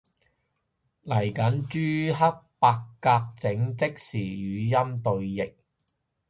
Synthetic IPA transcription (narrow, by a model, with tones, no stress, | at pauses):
lɐ˨˩jkɐ˨˥nt͡ʃyː˥ɦɐ˥k̚paː˧kːaː˧k̚t͡sɪ˨˥ŋt͡sɪ˥k̚siː˨˩jyː˨˧jɐ˥mt̪ɵ˧ɥjɪ˨k̚